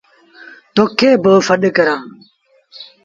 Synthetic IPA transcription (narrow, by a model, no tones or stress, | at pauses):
t̪oːkʰːeːboːfəɗkəɾãː